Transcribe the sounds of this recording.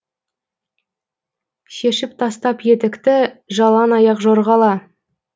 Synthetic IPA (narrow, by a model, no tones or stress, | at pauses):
ʃe̞ʃɪp̚t̪ʰɑst̪ɑpje̞t̪ɪkt̪ɪʒɑlˠɑnɑjɑqʒoɾʁɑlˠɑ